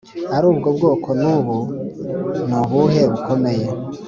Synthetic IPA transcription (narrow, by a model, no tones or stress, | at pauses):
aɾuːbɡob̚ɡoːkʰo̞nuːβu | nuβuɦe̞βukʰo̞me̞je